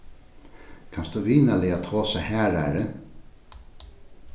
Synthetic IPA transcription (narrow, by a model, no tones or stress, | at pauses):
kʰansd̪uviːnalɪat̪ʰoːsahæːɾa̰ːɾɪ